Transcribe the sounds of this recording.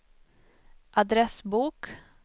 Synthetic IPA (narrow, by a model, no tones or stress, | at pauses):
ʔad̪ɾɛsbuːk